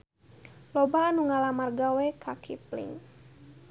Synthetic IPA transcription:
lɔbaːnuŋalamarɡawɛkʰakʰiplḭŋ

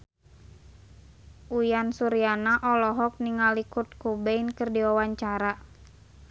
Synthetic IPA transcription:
ʔujansuɾianaʔɔlɔɦɔk̚niŋalikut̪̚kubɛinkɨrdiawaɲt͡ʃaɾa

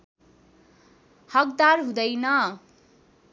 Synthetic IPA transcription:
hʌk̚d̪arɦũd̪ʌjnʌ

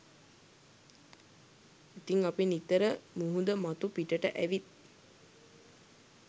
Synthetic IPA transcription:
it̪iŋapinit̪ːəɾəmuɦud̪əmat̪upiʈəʈəʔæʋit̪̚

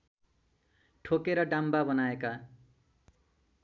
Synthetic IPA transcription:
ʈʰokeɾʌɖambabʌnaeka

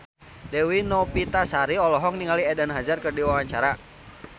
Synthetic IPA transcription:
dɛwinɔpit̪asaɾiɔlɔɦɔk̚niŋaliɛdanɦazarkərdiwawaɲt͡ʃaɾa

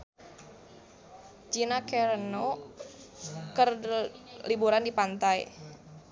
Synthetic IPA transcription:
d͡ʒinakɛɾəno | kər | libuɾandipant̪aj

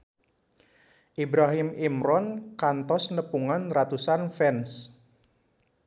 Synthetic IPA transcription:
ʔibɾaɦɪmimɾɔnkant̪ɔsnəpuŋanrat̪usanfɛns

